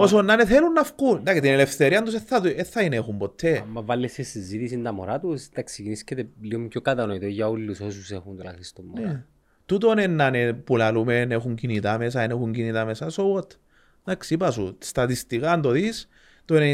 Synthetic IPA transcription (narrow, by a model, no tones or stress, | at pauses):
osonːɐneθelunːɐfkund̪akit̪inele̞fθeɾiɐnd̪us̬eθːɐt̪ueθːɐinexumbot̪ʰːemːɐvɐlːesesizit̪isind̪ɐmo̰ɾat̪ust̪ɐkseciniscet̪eliomcokɐt̪ɐnoit̪oʝɐolːusosusexunt̪ula̰xist̪omːne | t̪ut̪onenːɐnepulɐlumenexuɲcinit̪amesɐenexuɲɟinit̪amesɐsowot̪ | d̪aksiipɐsṵst̪ɐt̪ist̪ikand̪oðis | t̪one